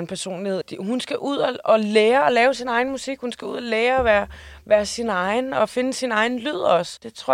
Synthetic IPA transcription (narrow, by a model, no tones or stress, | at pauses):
npʰæɐso̝̰ːnlihe̝ð̰ˠd̥iɦunsɡ̥æʔuð̰ˠɒɒ̽leːɐɒ̽lɛːʊsinɑ̈ɪn̩musiɡ̥hunsɡ̥æuð̞̰ˠɒleːɐɒʋæːɐ | ʋæːɐsinɑ̈ɪnɒ̽fe̝nəsinɑ̈ɪn̩lyð̞̰ˠɒ̽sd̥e̝t͡sʰʁoɐ